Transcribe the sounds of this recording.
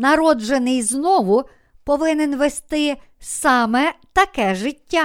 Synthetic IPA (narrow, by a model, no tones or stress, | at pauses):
nɐɾɔd͡ʒenɪjznɔʋʊ | pɔʋɪnenʋest̪ɪ | sɑmɛt̪ɐkɛʒɪtʲːa